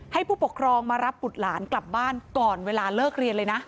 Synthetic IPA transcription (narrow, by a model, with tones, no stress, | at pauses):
ha˥˩jpʰuː˥˩po˨˩kʰɾɔː˧ŋmaː˧ɾa˦˥p̚ːu˨˩t̪̚laː˩˦nkla˨˩p̚baː˥˩nkɔː˨˩nweː˧laː˧lɤː˥˩k̚ɾi˧ənlɤː˧jna˦˥ʔ